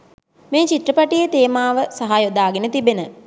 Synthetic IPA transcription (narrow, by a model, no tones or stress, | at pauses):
meːt͡ʃit̪rəpaʈijət̪eːmaːʋəsaɦajod̪aːɡenət̪ibenə